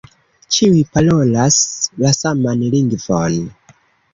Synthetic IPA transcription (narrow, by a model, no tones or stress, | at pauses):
t͡ʃiwipalolaslasamanliŋɡvɔn